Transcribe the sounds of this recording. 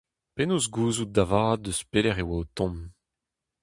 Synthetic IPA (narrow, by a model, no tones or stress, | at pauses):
penoːzɡuːzut̚d̪avaːd̪̚ːəspelɛʁewaot̪ɔ̃m